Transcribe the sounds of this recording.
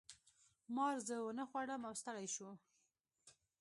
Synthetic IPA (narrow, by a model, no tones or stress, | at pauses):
mɑɾzəwənəxwaɽəmawst̪əɽajʃu